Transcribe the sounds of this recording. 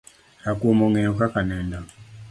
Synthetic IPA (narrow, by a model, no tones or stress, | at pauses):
ɾakuomɔŋɛɔkakanɛnda